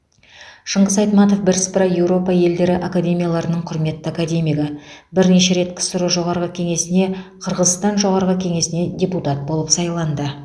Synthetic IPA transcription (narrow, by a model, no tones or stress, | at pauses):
ʃəɴʁəzɑjt̪mɑt̪o̞fbɪɾspɾɑje̞wɾo̞pɑje̞ld̪e̞ɾɪʔakad̪ʲe̞mijalˠɑɾənəɴqʰʊɾme̞t̪ːakad̪ʲe̞mijɡɑbɪɾne̞ʃe̞ɾe̞t̪kʲɪ̥sʊɾəʒo̞ʁɑɾʁəkʲʰe̞ŋe̞sɪne̞qʰəɾʁəzst̪ɑnʒo̞ʁɑɾʁəkʲʰe̞ŋe̞sɪne̞d̪ʲe̞put̪ɑt̪̚bo̞lˠəpsɑjlˠɑnd̪ə